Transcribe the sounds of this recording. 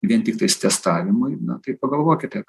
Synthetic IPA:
ʋʲiɛnt̪ʲɪkt̪ɐɪst̪ʲɛst̪ɑːʋʲɪmʊɪnɐt̪ɐɪpɐɡɐlˠʋoːkʲɪt̪ʲɛ

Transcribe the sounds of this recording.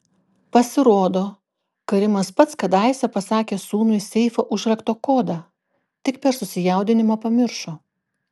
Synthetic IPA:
pɐsʲɪɾoːd̪oː | kɐɾʲɪmɐspɐt̪skɐd̪ɑˑɪsʲɛpɐsɑːkʲeːsuːmʲʊsʲɛɪfoːʔʊʒʲɾʲɛkt̪oːkoːd̪ɑː | t̪ʲɪkpʲɛɾsʊsʲɪjɛˑʊd̪ʲɪnʲɪmɐpɐmʲɪɾʃoː

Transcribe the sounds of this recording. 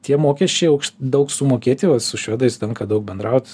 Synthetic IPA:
t̪ʲiɛmoːkʲɛʃʲt͡ʃʲɛɪɐʊkʃʲd̪ɐʊksʊmoːkʲeːt̪ʲɪʋɐsʊʃʲuɔd̪ɐɪst̪ʲɛŋkɐd̪ɐʊk̚bʲɛnd̪ɾɐˑʊt̪

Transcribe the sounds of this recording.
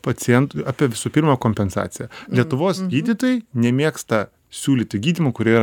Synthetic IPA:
pɐt͡ssʲɪjɛnt̪ɑːpʲiɛʋʲɪsuːpʲɪɾmɐkoːmʲpʲɛnsɑ̰ːtsʲɪjɛlʲiɛt̪ʊʋoːsɡʲiːd̪ʲit̪oːjɛɪnʲɛmʲeɛkst̪ɐ | sʲuːlʲiːt̪ʲɪɡʲiːd̪ʲiːmʊkʊɾʲeːiɾɐ

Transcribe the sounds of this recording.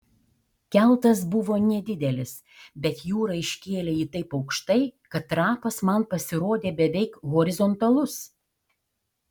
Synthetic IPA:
kʲɛlˠt̪ɐs̬bʊʋoːnʲɛd̪ʲɪd̪ʲɛlʲɪs | bʲɛt̪juːɾɐɪʃʲkʲeːlʲeːiːt̪ɐɪpɐʊkʃt̪ɐɪkɐt̪ːɾɑːpɐsmɐnpɐsʲɪɾoːd̪ʲeːbʲɛʋʲɛɪkɣɔɾʲɪzɔnt̪ɐlˠʊs

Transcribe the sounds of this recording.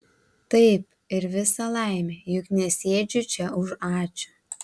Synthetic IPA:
t̪ɐɪp̚ | ɪɾʋʲɪsɐlˠɐɪmʲeːjʊknʲɛsʲeːd͡ʒʲʊt͡ʃʲɛʊʒɑːt͡ʃʲʊ̥

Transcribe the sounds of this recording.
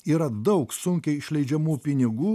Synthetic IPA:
iːɾɐd̪ɐʊksʊŋʲkʲɛɪɪʃʲlʲɛɪd͡ʒʲɛmuːpʲɪnʲɪɡuː

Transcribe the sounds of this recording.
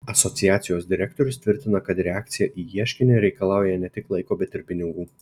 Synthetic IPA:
ɐsɔt̪sʲɪjæːt̪ʲɪjoːsd̪ʲɪɾʲɛk̚t̪oɾʲʊst̪ʲʋʲɪɾʲt̪ʲɪnɐkɐt̪ɾʲɛaːk̚t̪sʲɪjɛʔiːjiɛʃʲkʲɪnʲɪɾʲɛɪkɐlˠɑˑʊjɛnʲɛt̪ʲɪklˠɐɪkoːbʲɛt̪ɪɾpʲɪnʲɪŋɡuː

